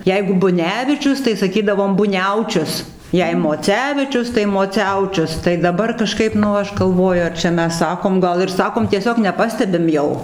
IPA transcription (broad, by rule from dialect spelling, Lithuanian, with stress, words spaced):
ˈjɛɪɡʊ bʊˈnʲæːʋʲɪt͡ʃʲʊs tɐɪ sɐˈkʲiːdɐʋoːm bʊˈnʲɛʊt͡ʃʲʊs ˈjɛɪ moːˈt͡sʲæːʋʲɪt͡ʃʲʊs tɐɪ moːˈt͡sʲɛʊt͡ʃʲʊs tɐɪ dɐˈbɐr kɐˈʃkɐɪp nʊ ˈɐʃ ɡɐlˠˈʋoːjʊ ɐr t͡ʃʲɛ ˈmʲɛs ˈsɑːkoːm ˈɡɐlˠ ɪr ˈsɑːkoːm tʲiɛˈsʲoːk nʲɛˈpɑːsʲtʲɛbʲɪm ˈjɛʊ